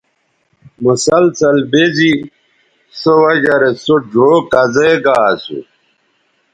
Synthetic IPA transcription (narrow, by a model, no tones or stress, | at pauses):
musɐlsɐlbezi | sowɐd͡ʑɐɾesod͡ʑoːkɐzeɡaːsṵ